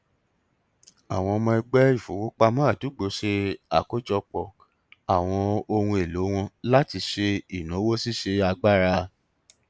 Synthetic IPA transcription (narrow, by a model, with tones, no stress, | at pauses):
a˨w̃ɔ̃˧mɔ̃˧i˧ɡ͡bɛ˦i˦˨fo˨˦wo˦k͡pa˧mã˦˨tu˨˦ɡ͡bo˨ʃe˧a˦˨ko˨˦d͡ʒɔ˧k͡pɔ˨ | a˨w̃ɔ̃˧o˧hũ˧e˨lo˨˦w̃ɔ̃˧la˦ti˧ʃe˧i˨nũ˨˦wo˦si˦ʃe˧a˧ɡ͡ba˦ɾa˧